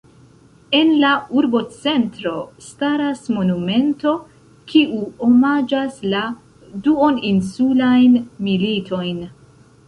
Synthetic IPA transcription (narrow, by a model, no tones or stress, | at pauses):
e̞nlauɾbo̞t͡se̞ntɾo̞staɾasmo̞nume̞nto̞ | kʰiʔuomad͡ʒasla | duo̞ninsulajnmilitʰo̞jn